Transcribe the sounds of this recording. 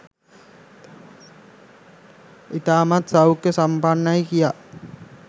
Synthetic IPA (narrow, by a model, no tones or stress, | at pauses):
it̪aːmat̪sawukːesampanːajkija